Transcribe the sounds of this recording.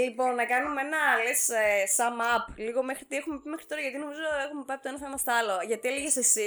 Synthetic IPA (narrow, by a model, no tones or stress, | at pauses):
lipo̞nːɐkɐnumeenɐlesesɐmɐpliɣo̞me̞xɾit̪iexume̞pimexɾit̪o̞ɾɐʝɐt̪ino̞mizo̞exumepɐjɐp̚t̪oenɐθɐimɐst̪ɐloʝɐt̪ieliʝesesi